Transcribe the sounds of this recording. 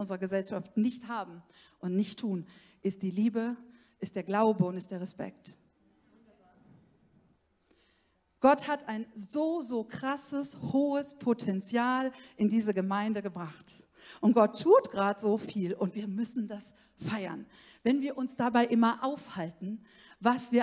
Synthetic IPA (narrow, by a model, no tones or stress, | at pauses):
ʔʊnzəʁɐɡəzɛlʃaftnɪçthaːbm̩ | ʔʊntnɪçtʰːuːn | ʔɪst̚d̥iːliːbə | ʔɪstd̥eːɐɡlaʊbəʊntɪstd̥eːɐʁɛspɛ̰k̚t | ɡ̥ɔthataɪnzoːzoːkʁ̥asəshoːəspʰotʰɛnt͡sjaːlʔɪndiːzəɡəmaɪndəɡəbʁaχt | ʔʊnt̚ɡ̥ɔtʰːuːtɡ̥ʁaːtz̥oːfiːlʊntv̥iːɐmʏsn̩das | faɪɐ̰n | vɛnviːɐʔʊnsd̥abaɪʔɪmɐʔaʊfhaltn̩ | vasv̥iːɐ